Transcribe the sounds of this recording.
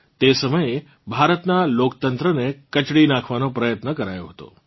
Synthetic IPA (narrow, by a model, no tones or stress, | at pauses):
t̪esəməje | bʱaɾət̪nalokt̪ənt̪ɾənekət͡ʃɽinakʰʋanopɾəjət̪nəkəɾajoɦət̪o̰